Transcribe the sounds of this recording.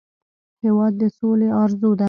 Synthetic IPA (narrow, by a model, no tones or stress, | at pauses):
hewɑd̪ːəsoleɑɾzod̪a